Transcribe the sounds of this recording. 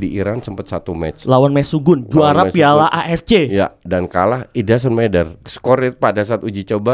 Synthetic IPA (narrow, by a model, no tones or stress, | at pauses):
diiɾansəmpət̪sat̪umɛ̰t͡ʃlawanmɛsuɡʊnd͡ʒuaɾapialaʔaʔɛst͡ʃeja̰dankalahidas̬ənmedərsə̥kɔɾɪt̪̚padas̬aːt̪ud͡ʒit͡ʃoba